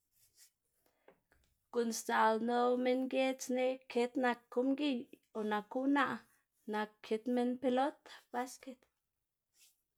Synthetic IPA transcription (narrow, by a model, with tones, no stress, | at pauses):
ku˨nst̪a˨lno˦wme˦nɡe˦t͡sne˦ʔkʰe˦t̪na˨ku˦mɡi˦˨ | o˨na˨ku˦na˦ʔ | na˨kʰːe˨˦t̪me˦npe˧lo˦t̪ba˦ske˨t̪